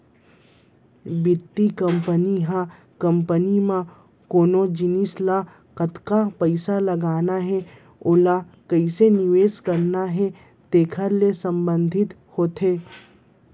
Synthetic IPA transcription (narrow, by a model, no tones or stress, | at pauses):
bɪt̪ːikə̃mpəniɦã | kɐ̃mpənimã | koːnod͡ʒɪnisla | kɐt̪kapəɪsalɐɡaːnaɦɛ | oːla | kɐɪsenɪʋeːskɐɾnaɦɛ | t̪eːkʰəɾlesə̃mbə̃nd̪ʱɪt̪ | hoːt̪ɦeː